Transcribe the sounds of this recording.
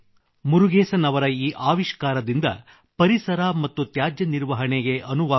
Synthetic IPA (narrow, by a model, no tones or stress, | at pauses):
muɾuɡeːsɐnɐʋɐɾɐiːʔaːʋiʃkaːɾɐd̪ind̪ɐ̰ | pɐɾisɐɾɐmɐt̪ːut̪jaːd͡ʒjɐniɾʋɐɦɐɳeɡe̞ʔɐnuʋaː